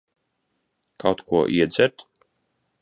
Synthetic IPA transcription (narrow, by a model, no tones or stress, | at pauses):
kʰawt̪kuɔʔiɛd̪zʲɛɾt̪